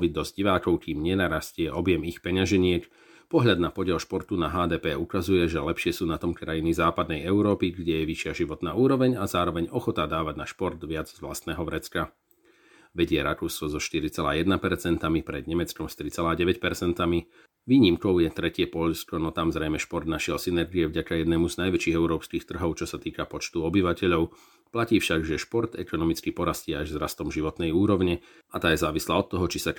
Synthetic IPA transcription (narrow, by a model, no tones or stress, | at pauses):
ʋid̪ɔzɟiʋaːkɔʊkiːmɲɛnaːɾascɪɛʔɔbɪjɛmixpɛɲaʒɛɲɪɛk | pɔɦʎad̪napɔɟɪɛlˠʃpɔɾt̪unaɦaːd̪ɛːpɛːukazujɛʒɛlɛpʃɪɛsuːnat̪ɔmkɾajinizaːpad̪nɛjɛʊɾɔːpiɡɟɛjɛʋiʃɪaʒiʋɔt̪naːuːɾɔʋɛɲazaːɾɔʋɛɲɔxɔt̪ad̪aːʋaɟnaʃpɔɾd̪ʋɪad͡zzʋlast̪nɛːɦɔʋɾɛt͡ska | ʋɛɟɪɛɾakuːskɔzɔʃt̪iɾit͡sɛlaːjɛd̪napɛɾt͡sɛnt̪amipɾɛ̰d̪ɲɛmɛt͡skɔmst̪ɾit͡sɛlaːɟɛʋɛcpɛɾt͡sɛnt̪ami | ʋiːɲimkɔʊjɛt̪ɾɛcɪɛpɔʎskɔnɔt̪amzɾɛjmɛʃpɔɾd̪naʃɪɛlsinɛɾɡiɛvɟakajɛd̪nɛːmuznajʋɛt͡ʃiːɣɛʊɾɔːpskiːxt̪r̩ɦɔʊt͡ʃɔsat̪iːkapɔt͡ʃt̪uɔbiʋacɛʎɔʊ | placiːfʃaɡʒɛʃpɔɾd̪ɛkɔnɔmit͡skipɔɾasciːaʒzɾast̪ɔmʒiʋɔt̪nɛjuːɾɔʊɲɛ | at̪aːjɛzaːʋislaːɔt̪ːɔɦɔt͡ʃisa